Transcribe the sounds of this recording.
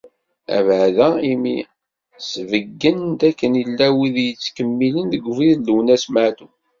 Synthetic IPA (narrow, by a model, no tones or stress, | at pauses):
æ̰vʕðæimi | svəɡːənd̪ækːənilːæwiðjət͡sːkəmːilənðəɡviðləwnæsmaʕd̪u